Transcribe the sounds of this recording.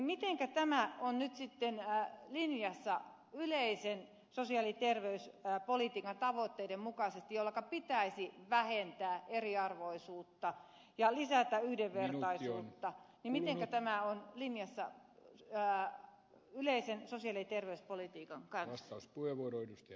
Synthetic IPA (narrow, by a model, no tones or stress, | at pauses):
nimit̪eŋkæt̪æmæonnyt̪sit̪ːenlinjɑsːɑ | yleisen | sosiɑlit̪erʋeyspolit̪iːkɑnt̪ɑʋot̪ːeidemmukɑsest̪ijolːɑkɑpit̪æisiʋæhent̪æːeriɑrʋoisuːt̪ːɑ | jɑlisæt̪æyhdeʋʋert̪ɑisuːt̪ːɑnimmit̪eŋkæt̪æmæonlinjɑsːɑ̰ | yleisensosiɑlit̪erʋeyspolit̪iːkɑŋkɑnsɑuspuheʋuoɾoedust̪ɑ